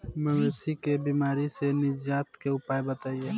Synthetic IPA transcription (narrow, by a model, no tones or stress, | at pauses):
məʋeːsikebiːmaːɾisenɪd͡ʒaːt̪keʊpaːjbət̪aːie